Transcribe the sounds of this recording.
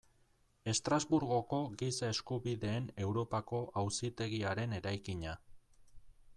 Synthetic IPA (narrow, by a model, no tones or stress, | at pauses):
e̞st̪ɾazβuɾɣo̞ko̞ɣisae̞skuβiðe̞ːne̞wɾo̞pako̞ʔawsit̪e̞ɣiaɾe̞ne̞ɾajkiɲa